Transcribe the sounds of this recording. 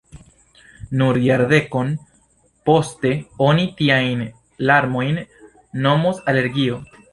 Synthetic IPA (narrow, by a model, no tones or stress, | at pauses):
nuɾjaɾde̞ko̞n | po̞ste̞o̞nitiajn | laɾmo̞jnː | o̞mosale̞ɾɡio̞